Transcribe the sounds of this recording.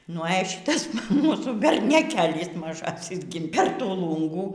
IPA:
nʊ ɛ ˈʃʲɪtɐs ˈmuːsuː bʲɛrʲnʲɛˈkʲeːlʲɪs mɐˈʒɑːsʲɪs ɡʲɪ pʲɛr ˈtuː ˈlˠuːŋɡuː

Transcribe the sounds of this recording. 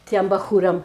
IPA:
ˈtʲiɛm bɐˈxuːrɐm

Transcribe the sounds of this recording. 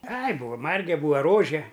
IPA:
ɐɪ ˈbuːʋɐ ˈmɐrʲɡʲɛ ˈbuːʋɐ ˈroːʒʲɛ

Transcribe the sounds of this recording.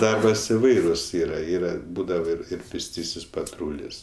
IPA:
ˈdɐrbɐs ɪˈʋɐɪrʊs ˈiːrɐ ˈiːrɐ ˈbuːdɐʋɐ ˈɪr ɪr pʲeːsʲˈtʲiːsʲɪs pɐˈtruːlʲɪs

